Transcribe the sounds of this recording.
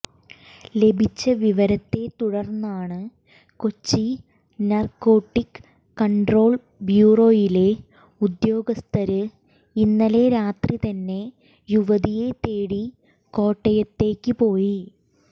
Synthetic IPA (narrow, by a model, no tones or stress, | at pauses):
le̞bʱit͡ɕːɐʋiʋɐɾɐt̪ːe̞t̪uɽɐrnːaːɳɨ | kot͡ɕːi | nɐrko̞ːʈːikː | ɐɳɖro̞ːɭ | bjuːro̞ːjile̞ | ud̪jo̞ːɡɐst̪ʰɐɾɨ | inːɐle̞ɾaːt̪rit̪ɐnːe̞ | juʋɐðije̞t̪eːɽi | ko̞ːʈːɐjɐt̪ːe̞ːkʲːɨpo̞ːji